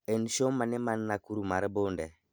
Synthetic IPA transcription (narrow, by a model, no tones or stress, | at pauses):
enʃomanemanːakuɾumaɾbondɛ